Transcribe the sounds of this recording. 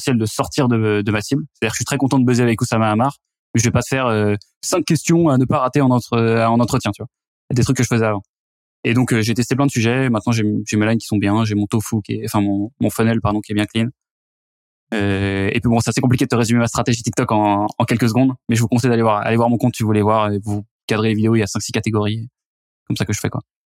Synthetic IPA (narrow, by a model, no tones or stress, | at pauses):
sjɛld̪əsɔʁt̪ʰiʁd̪əd̪əmasiblse̥t̪adiʁkəʃɥit̪χɛkɔ̃t̪ɑ̃d̪əbøzeavɛkusamaːmaʁ | mɛʒəvɛpasəfɛʁøsɛ̃kʲːɛst̪jɔ̃anəpaʁat̪eɑ̃nɑ̃t̪χəɑ̃nɑ̃t̪χət̪jɛ̃t̪yva | d̪et̪χykːəʒəfəzɛavɑ̃ | ed̪ɔ̃køʒet̪ɛst̪eplɛ̃d̪əsyʒɛmɛ̃t̪nɑ̃ʒeʒemelajnkʲi̥sɔ̃bjɛ̃ʒemɔ̃t̪ofukʲɛɑ̃fɛ̃mɔ̃mɔ̃fɔnɛlpaʁd̪ɔ̃kiɛbjɛ̃klin | øḛpɥibɔ̃sɛt̪asekɔ̃plikʲed̪ət̪əʁezymemast̪χat̪eʒit̪ik̚t̪ɔkɑ̃ɑ̃kʲɛlkəs̬əɡɔ̃d̪mɛʒəvukɔ̃sɛjd̪alevwaʁa̰levwaʁmɔ̃kɔ̃t̪t̪yvulɛvwaʁevu | kad̪ʁelevid̪eoiljasɛ̃ksi̥kat̪eɡɔʁi | kɔmsakəʒəfɛkwa̰